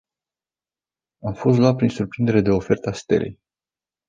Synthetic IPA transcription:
amfo̞s̬t̪loat̪̚pɾinsurpɾind̪e̞ɾe̞d̪e̞o̞fe̞rt̪əast̪e̞̰ɾḛj

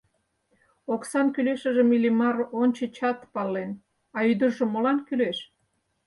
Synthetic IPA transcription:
oksɑnkyleʃə̆ʒə̆milimɑronʲt͡ɕet͡ɕɑt̪pɑlːen | ɑyd̪ərʒŏmolɑnkyleʃ

